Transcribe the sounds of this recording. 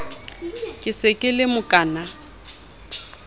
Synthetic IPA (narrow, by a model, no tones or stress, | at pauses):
kʼɪsɪkʼɪlɪmʊkʼaːna